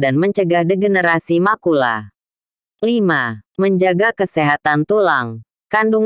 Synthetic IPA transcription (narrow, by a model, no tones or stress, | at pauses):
danməɲt͡ʃəɡahdeɡənəɾasimakula̰ | limaməɲd͡ʒaɡakəseɦat̪ant̪ulaŋ | kanduŋ